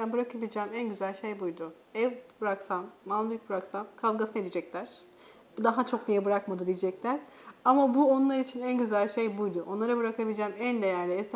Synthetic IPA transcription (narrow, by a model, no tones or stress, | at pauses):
ænbɯɾakʰabilʲid͡ʒɛːmænɟyzælʲʃejbujd̪ʊ | ɛvbɯɾaksamːab̪ubɯɾaksamkʰalˠɡasɯnaed̪id͡ʒɛclʲæɾ̥ | bud̪aɦat͡ʃʰo̞knijɛbɯɾakmad̪ɯd̪ijid͡ʒɛclʲæɾ̥ | amabuo̞nlˠaɾit͡ʃʰinænɟyzælʲʃejbujd̪ʊʔo̞nlˠaɾabɯɾakʰabilʲid͡ʒɛːmænd̪ejæɾlʲies